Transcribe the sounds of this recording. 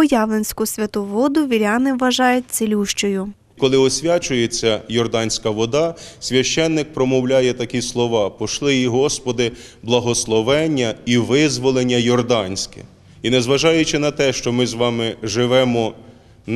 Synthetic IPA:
ɔjɑʋlˠenʲsʲkʊsʲʋʲɐt̪uʋɔd̪ʊʋʲiɾʲɑnɪʋːɐʒɑjʊt̚ʲselʲuʃt͡ʃɔjʊ | kɔlˠɪɔsʲʋʲat͡ʃʊjet͡sʲːɐjɔrd̪ɑnʲsʲkɐʋɔd̪ɑsʲʋʲɐʃt͡ʃɛnːɪk̚pɾɔmɔwlʲajɛt̪ɐkʲislˠɔʋɑpɔʃlˠɪiɦɔspɔd̪ɪ | blˠɐɦɔslˠɔʋɛnʲːɐiʋɪzʋɔlˠenʲːɐjɔrd̪ɑnʲsʲkɛ̥̰ | inɛzʋɐʒɑjʊt͡ʃɪnɐt̪ɛʃt͡ʃɔmɪzʋɑmɪʒɪʋɛmɔ

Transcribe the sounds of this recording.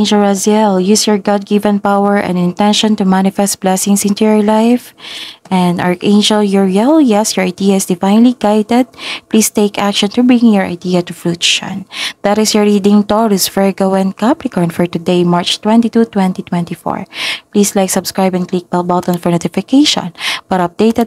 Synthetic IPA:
end͡ʒɛlazjɛljusjɔɹɡɑd̪̚ɡivɛ̃npawɛɹʔɛ̰̃nd̪ɪ̃nt̪ɛ̃nʃɔ̃nt̪umanɪfɛst̪̚b̥lɛsɪ̃ŋsɪ̃nt̪ujɔɹlaɪfʔɛ̃nd̪aɹʔẽɪnd͡ʒɛljɔɹjɛljɛsjɔɹajd̪iaɪsd̪ɪfãjnliɡajd̪ɛd̪̚pliːst̪ejkakʃɔ̃nt̪ubɹɪ̃ŋjɔɹa̰jd̪iɐt̪uflut̪ʃɔ̰̃nd̪̥at̪ɪsjɔɹɹid̪ɪ̃ŋt̪ɔɹɪsfɛɹɡowɛ̃nkaplɪkɔnfɔɹt̪ʊd̪ejmaɹt͡ʃt̪wɛ̃nt̪it̪ut̪wɛ̃nt̪it̪wɛ̃nt̪ifɔ̰ɹpliːslajksɐbskɹajbɛ̃nklik̚bɛlbɔt̪ɔ̃nfɔɹnot̪ɪfɪkeɪʃɔ̰̃nb̥ɐt̪ɐp̚d̪eɪt̪ɛd̪̚

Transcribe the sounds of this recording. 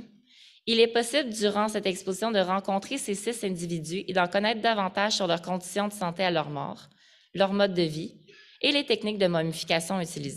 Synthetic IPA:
ilɛpɔsɪbləd̪yʁɑ̃sɛt̪ɛkspozisjɔ̃d̪əʁɑ̃kɔ̃t̪χesesɪsɛ̃d̪ivid̪zyʔed̪ɑ̃kɔnɛːt̪̚χd̪avɑ̃t̪aʒ̥syʁlœʁkɔ̃d̪isjɔ̃d̪əsɑ̃t̪ealœʁmɔ̰ːʁ | lœʁmɔd̪ːəvielet̪ɛknɪk̚d̪əmɔmifi̥kʲasjɔ̃yt̪ilize

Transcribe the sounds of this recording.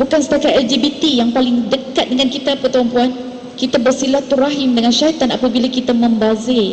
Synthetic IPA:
bukansə̥t̪akat̪ɛld͡ʒibit̪ijaŋpalɪŋdəkat̪̚dəŋankit̪apərt̪ɾɔmpuan | kit̪abərsilat̪uraɦimdəŋanʃaɦit̪ana̰pabilakit̪amə̃mbazɪ

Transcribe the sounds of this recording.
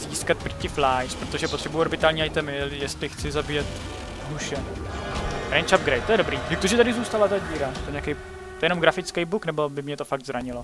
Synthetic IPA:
ziːskat̪̚pɾicɪflajspɾot̪oʒɛpo̞t̪r̥ɛbujuoɾbɪt̪aːlɲiːajt̪ɛmɪljɛst̪lɪxt͡sɪzabijɛt̪ | ɦuʃɛ | ɾɛjnt͡ʃap̚ɡɾejt̪t̪ːjɛɾo̞bɾiːdɪk̚t̪oʒɛt̪adɪzuːst̪alat̪aɟiːɾat̪ojɛɲakej | t̪oɛjɛnomɡɾafɪt͡skɛjbuknɛbobɪmɲɛt̪o̞faɡ̚d̪zɾaɲɪlo

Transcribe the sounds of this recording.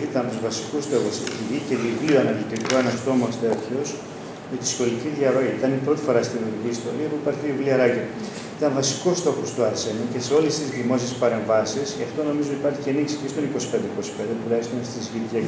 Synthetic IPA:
it̪ɐnt̪uzvɐsi̥kust̪o̞xosciɾice̞ðivlioɐnɐlit̪ikoenɐst̪o̞most̪et̪ço̞s | met̪isxo̞liciðʝɐɾo̞iit̪ɐnipɾo̞t̪i̥fo̞ɾɐst̪iɾoɾiciːst̪o̞ɾiɐpuipɐɾçiivliɐɾɐcɐ | it̪ɐnvɐsi̥kost̪o̞xost̪uɐɾse̞nuce̞se̞o̞lesizðimo̞sie̞spɐɾe̞ɱvɐsisceɐft̪o̞no̞mizo̞ipɐɾçiceniksi̥cest̪o̞niko̞si̥pe̞nd̪eiko̞si̥pe̞nd̪epulest̪onst̪izʝice

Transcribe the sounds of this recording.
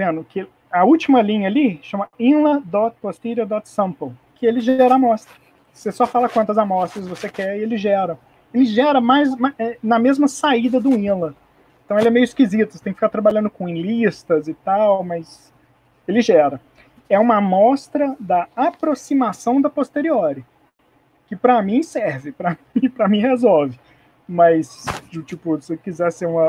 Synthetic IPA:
vẽnʊkʰɪ | ɐuwt͡ʃimɐlĩɲɐːliʃɐ̃mɐĩlɐd̪ɔt̪post̪iɾɐd̪ɔt̪sɐ̃mpolkɪelɪʒɛɾɐamɔst̪ɾɐ | sesɔfalɐkwɐ̃nt̪ɐzamɔst̪ɾɐzvosekɛielɪzʒɛɾɐ̃ | elɪʒɛɾɐmajzmaɛnɐmezmɐsaid̪ɐd̪ʊ̃ĩlɐ | ẽt̪ɐ̃w̃elɛmejʊiskizit̪ʊse̥t̪ẽkɪfikaɾt̪ɾabaʎɐ̃nd̪ʊkõẽlist̪ɐzɪt̪awmɐs | elɪʒɛɾɐ | ɛũmɐmɔst̪ɾɐd̪ɐapɾosimasɐ̃w̃d̪ɐpost̪eɾiɔɾɪ | kɪpɾɐmĩsɛɾvɪpɾɐɪpɾɐmĩhezɔwvɪ | mɐsd͡ʒt͡ʃipʊsɪkizɛseɾũmɐ

